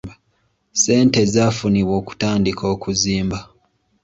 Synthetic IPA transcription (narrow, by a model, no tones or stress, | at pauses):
se̞ːnte̞zafuniβwo̞ːku̥taːndikʰo̞ːkuziːmba